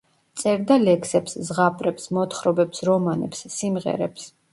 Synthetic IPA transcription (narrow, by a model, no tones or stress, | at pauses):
t̪sʼɛɾd̪alɛkʰsɛpszʁapʼɾɛpsmɔt̪χɾɔbɛpsɾɔmanɛ̰psːimʁɛ̰ɾɛ̰ps